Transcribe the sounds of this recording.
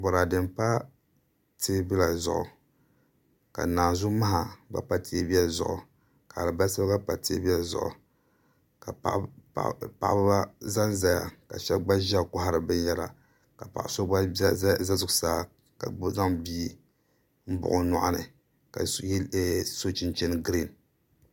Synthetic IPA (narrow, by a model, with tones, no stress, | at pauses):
bo˨ɾa˨dɨ˨mpa˦ | teː˦bi˦la˨zʊ̰˨ʔʊ̰˨ | ka̰˨naː˨zʊ˦ma˦ɦa˨ɡ͡ba̰˦pa˦tʰe˦bi˦a˦zʊ̰˨ʔʊ̰˨ | ka˨a˨lɨ˨ba˦sa˦ɡa˦pa˨te˦e˦bi˦a˨zʊ̰˨ʔʊ̰˨ | ka̰˨ʔ | pa̰˨ʔbba˦za˦nza˨ja̰˨ka̰˨ʃɛ˦lɡ͡ba˦ʒa˦˨kʊ˦ɦa˦ɾɨ˨bɨ˦n˦jɛ˦la̰˨ | ka˨pa̰˨ʔso˦ɡ͡ba˦za˦zʊ˨ʊ˨saː˦ | ka˨˦za˦ŋbiː˦ | m̩˦bʊ̰˨ʔʊ˦nʊ̰˨ʔa˨nɨ˨ | ka̰˨˦˨ | so˦t͡ʃɪ˦nt͡ʃɛ˦n˦ɡɾi˦˨n